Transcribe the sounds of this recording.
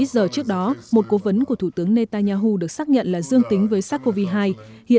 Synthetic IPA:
zəː˨˩t͡ɕɨ˦˥ək̚ɗɔ˨˦mo˨˩t̚ko˨˦və˨˦nku˧˩ət̪ʰu˧˩t̪ɨ˨˦əŋne˧t̪a˧ɲaː˧ɦu˧ɗɨ˨˩ək̚saː˦˥k̚ɲə̰˧˨nlaː˨˩zɨ˧əŋt̪ï˨˦ŋ̟vəː˨˦jsaː˦˥t̚kːo˧vi˧ɦaː˧j | hḭ˧˨ə

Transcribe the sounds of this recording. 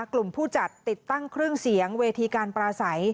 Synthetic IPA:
klu˨˩mpʰuː˥˩t͡ɕa˨˩t̪ːi˨˩t̪ːa˥˩ŋkʰɾɯ˥˩əŋsi˩˦əŋweː˧t̪ʰiː˧kaː˧npɾaː˧sa˩˦j

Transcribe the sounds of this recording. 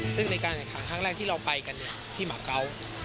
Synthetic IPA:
sɯ˥˩ŋna˧jkaː˧na˨˩kʰaː˩˦ŋkʰa˥˩ɾɛː˥˩k̚t̪ʰiː˥˩ɾa˧wpa˧jka˧nːi˦˩ɐt̪ʰiː˥˩maː˨˩˦kʰːa˦˥w

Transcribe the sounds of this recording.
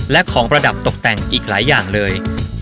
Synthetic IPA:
lɛ˦˥ʔkʰɔː˩˦ŋpɾa˧da˨˩p̚t̪o˨˩k̚t̪ɛ˨˩ŋʔiː˨˩k̚laː˩˦jːaː˨˩ŋlɤː˧j

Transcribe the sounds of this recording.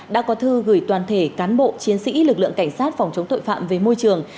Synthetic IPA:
ɗa̰ː˧˥kɔ˨˦t̪ʰɨ˧ɣɨ˧˩jt̪waː˨˩nt̪ʰe˧˩kaː˨˦nɓo̰˧˨t͡ɕi˨˦ənsḭ˧˥lɨ˨˩k̚lɨ̰˧˨əŋka˧˩jŋ̟saː˦˥t̚fɔ˨˩wŋ͡mt͡ɕə˨˦ŋ͡mt̪o̰˧˨jfa̰ː˧˨mve˨˩mo˧jt͡ɕɨ˨˩əŋ

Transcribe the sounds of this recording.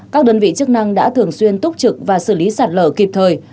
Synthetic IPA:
kaː˦˥k̚ɗəː˧˩nvḭ˧˨t͡ɕɨ˦˥ək̚na˧ŋɗa̰ː˧˥t̪ʰɨ˨˩əŋswi˧ənt̪ʊ˦˥k͡p̚t͡ɕɨ˨˩k̚vaː˨˩sɨ˧˩li˨˦saː˨˩t̚ləː˧˩ki˨˩p̚t̪ʰəː˨˩j

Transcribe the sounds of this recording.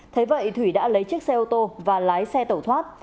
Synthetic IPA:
t̪ʰə˨˦jvə̰˧˨jt̪ʰwi˧˩ɗa̰ː˧˥lə˨˦jt͡ɕɨ˦˥k̚sɛ˧ʔo˧wt̪o˧vaː˨˩laː˨˦jsɛ˧t̪ə˧˩wt̪ʰwaː˦˥t̚

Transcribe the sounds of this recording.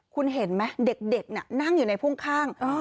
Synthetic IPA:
kʰu˧nɦe˩˦nma˦˥de˨˩k̚de˨˩k̚ni˧˩na˥˩ŋju˨˩na˧jpʰu˥˩ŋkʰaː˥˩ŋː˧

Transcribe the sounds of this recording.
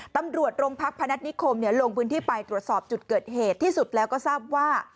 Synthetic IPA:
t̪a˧mɾu˨˩ət̪̚ɾo˧ŋpʰa˦˥k̚pʰːa˧na˦˥t̪̚ni˦˥kʰo˧mni˥˩ɐlo˧ŋpʰɯː˦˥nt̪ʰiː˥˩pa˧jt̪ɾu˨˩ət̪sɔː˨˩p̚t͡ɕu˨˩t̪̚kɤː˨˩t̪̚heː˨˩t̪ʰːiː˥˩su˨˩t̪̚lɛː˦˥wkɔː˥˩saː˥˩p̚waː˥˩

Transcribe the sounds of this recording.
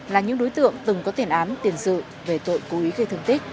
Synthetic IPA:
laː˨˩ɲɨ̰˧˥ŋɗo˨˦jt̪ɨ̰˧˨əŋt̪ɨ˨˩ŋkɔ˨˦t̪i˨˩ənʔaː˨˦mt̪i˨˩ənsɨ̰˧˨ | ve˧˨˩t̪o̰˧˨jku˨˦ʔwi˨˦ɣə˧jt̪ʰŋt̪i˦˥k̟̚

